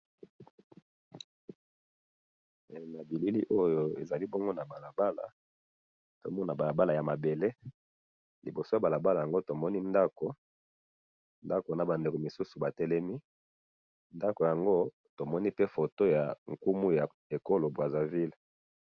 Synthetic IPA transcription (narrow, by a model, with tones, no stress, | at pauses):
na˨bi˨li˦li˦ʔo˦jo˦ḛ˨za˨li˦bo˦ŋɡo˦na˨ba˨la˨ba˦la̰˨ | to̰˨mɔ˦na˨ba˨la˨ba˦la˨ja˨ma˨be˨le˦ | li˨bo˨so˦ja˨ba˨la˨ba˦la˨ja˨ŋɡo˦to˨mɔ˦ni˦nda˦ko˨ | nda˦ko˨na˨ba˨nde˨ko˨mi˨su˦su˨ba˨tɛ˦lɛ˦mi˦ | nda˦ko˨ja˨ŋɡo˦ | to˨mɔ˦ni˦pe˦fo˨to˦ja˨ŋ̩˨ku˦mu˦ja˨ | e˨ko˦lo˨bwa˨za˨vi˦l